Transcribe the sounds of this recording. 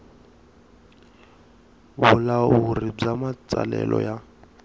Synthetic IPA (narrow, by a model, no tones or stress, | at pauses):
βulaurib͡ʐamat͡sʼa̰lɛlʔɔja